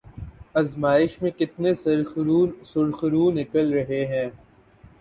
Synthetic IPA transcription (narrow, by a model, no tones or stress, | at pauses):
ɐzmaːɪʃmẽkɪt̪nes | sʊɽxɾunɪkəlɾɐɦeɦɛ̃ː